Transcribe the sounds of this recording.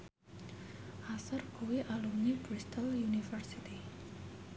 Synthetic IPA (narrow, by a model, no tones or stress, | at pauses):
ʔasərkuwiʔalumnibɾist̪ɔljunifərsit̪i